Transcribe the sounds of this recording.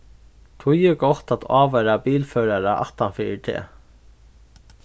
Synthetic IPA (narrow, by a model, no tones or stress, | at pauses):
t̪ʰujɪɡɔht̪at̪ʰaːʋɛɾabiːlfœːɹaɹaʔa̰ht̪anfɪːt̪ʰɛ̰ː